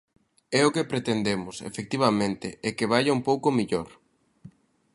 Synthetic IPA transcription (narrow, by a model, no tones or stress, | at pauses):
ɛʊkepɾet̪end̪emʊsḛfek̚t̪iβamẽnt̪eʔɛkeβ̞aʎaumpowkomiʎoɾ